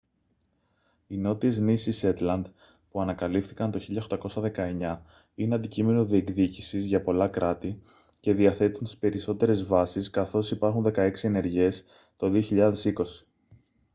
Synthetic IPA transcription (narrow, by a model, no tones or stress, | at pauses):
ino̞t̪ie̞znisise̞t̪lɐnd̪ | puɐnɐkɐlifθikɐnt̪o̞çiʎɐoxt̪ɐko̞sɐðe̞kɐe̞ɲɐ | ineɐnd̪icime̞noðie̞kðicisizʝɐpo̞lɐkɾɐt̪i | ce̞ðiɐθe̞t̪unt̪i̥spe̞ɾiso̞t̪e̞ɾe̞zvɐsiskɐθo̞sipɐɾxunðe̞kɐe̞ksie̞ne̞ɾʝe̞s | t̪o̞ðio̞çiʎɐðe̞siko̞si̥